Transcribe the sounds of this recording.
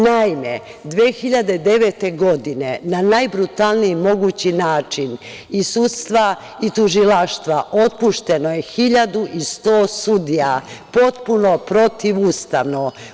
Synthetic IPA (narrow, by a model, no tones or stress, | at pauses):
naime | d̪ʋeːxiʎad̪e̞d̪e̞ʋet̪e̞ɡo̞d̪ine̞nanajbɾut̪alˠniimo̞ɡut͡ɕinaːt͡ʃin | isut̪st̪ʋa | it̪uʒilaʃt̪ʋaʔo̞t̪̚puʃt̪e̞no̞jexiʎad̪uʔist̪o̞ːsud̪ijapo̞t̪puno̞pɾo̞t̪iʋust̪aʋno